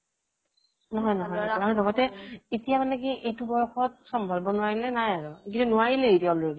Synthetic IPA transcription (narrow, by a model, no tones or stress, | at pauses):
nɔɦɔjnɔɦɔjaɹɔlɔɡɔtɛetijamanɛkiʔejtubɔɹɔxɔt̚sɔmbʱɔlbɔnʊwaɹilɛnajaɹukitunʊwaɹilɛetijaɔloɹedi